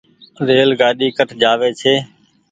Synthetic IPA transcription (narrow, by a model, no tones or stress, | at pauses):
ɾeːlɡaːɗiːkəʈʰd͡ʒaːʋeːt͡ʃʰeː